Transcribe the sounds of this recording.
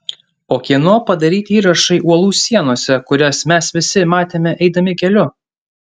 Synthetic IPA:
oːkʲiɛnoːpɐd̪ɐɾʲiːt̪ʲiːɾɐʃɐɪʔuɔlˠuːsʲiɛnoːsʲɛkʊɾʲɛsmʲɛsʋʲɪsʲɪmɑːt̪ʲeːmʲɛʔɛɪd̪ɐmʲɪkʲɛlʲʊ

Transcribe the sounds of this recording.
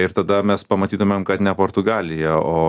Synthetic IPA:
ɪɾt̪ɐd̪ɐmʲɛspɐmɐt̪ʲiːt̪ʊmʲeːmkɐt̪nʲɛpoːɾt̪ʊɡɑːlʲɪjɛoː

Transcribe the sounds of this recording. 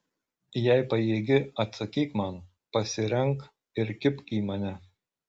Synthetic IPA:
jæɪpɐjeːɡʲɪɐt̪sɐkʲiːkmɐn | pɐsʲɪɾʲɛŋk | ɪɾkʲɪpkʲiːmɐnʲɛ

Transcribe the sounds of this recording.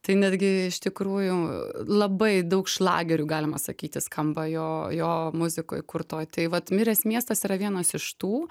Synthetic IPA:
t̪ɐɪnʲæd̪ʲɡʲɪɪʃt̪ʲɪkɾuːjʊlˠɐbɐɪd̪ɐʊkʃlˠɑ̰ːɡʲɛɾʲuːɡɑːlʲɪmɐsɐkʲiːt̪ʲɪskɐmbɐjoːjoːmʊzʲɪko̰ːjkʊrt̪oːjt̪ɐɪʋɐt̪mʲɪɾʲɛsmʲiɛst̪ɐsiːɾɐʋʲiɛnɐsɪʃt̪uː

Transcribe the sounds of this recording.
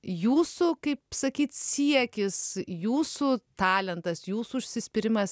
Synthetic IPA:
juːsukɐɪpsɐkʲiːt̪sʲiɛkʲɪsjuːsut̪ɑːlʲɛnt̪ɐsjuːsuʊʃʲsʲɪsʲpʲɪɾʲɪmɐs

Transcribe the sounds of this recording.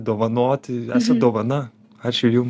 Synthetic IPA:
d̪oːʋɐnoːt̪ʲæːsɐd̪oːʋɐnɐ | ɑt͡ʃʲʊjum

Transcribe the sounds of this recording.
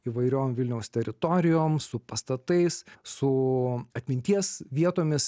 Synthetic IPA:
iːʋɐɪɾʲoːmʋʲɪlʲnʲɛʊst̪ʲɛɾʲɪt̪oːɾʲɪjoːmsʊpɐst̪ɐt̪ɐɪssʊɐt̪ʲmʲɪnʲt̪ʲiɛsʋʲiɛt̪oːmʲɪs

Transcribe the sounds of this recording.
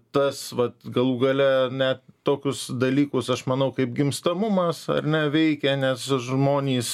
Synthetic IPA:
t̪ɐsʋɐt̪ɡɐlˠuːɡɐlʲɛnʲɛt̪toːkʲʊsd̪ɐlʲiːkʊsɐʃmɐnɐʊkɐɪpɡʲɪmst̪ɐmʊmɐsɐ̰rnʲɛʋʲɛɪkʲɛnʲɛsʒmoːnʲiːs

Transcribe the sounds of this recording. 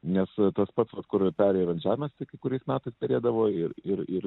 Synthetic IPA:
nʲɛst̪ɐspɐt̪sʋɐt̪kʊɾpʲæːɾʲɛjɛʋɐnʒʲæːʋɪmʲɐst̪ʲɪkʲɐɪkʊɾʲɛɪsmʲæːt̪ɐɪst̪ʲɛɾʲeːd̪ɐʋoːɪrɪrɪr

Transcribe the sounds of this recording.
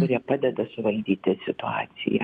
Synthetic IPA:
ʊɾʲiɛpɑːd̪ʲɛd̪ɐsʊʋɐlʲd̪ʲiːt̪ʲɪsʲɪt̪ʊɑːt̪sʲɪ̰jɛ̰

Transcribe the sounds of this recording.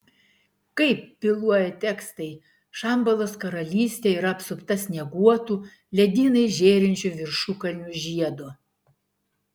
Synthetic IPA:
kɐɪpːʲɪlˠuɔjɛt̪ʲɛkst̪ɐɪ | ʃɐˑmbɐlˠoːskɐɾɐlʲiːsʲt̪ʲeːiːɾɐɐpsʊpt̪ɐsʲnʲɛɡuɔt̪uː | lʲɛd̪ʲiːnɐɪʒʲeːɾʲɪnʲt͡ʃʲuʋʲɪɾʃuːkɐlʲnʲuˑʒʲiɛd̪oː

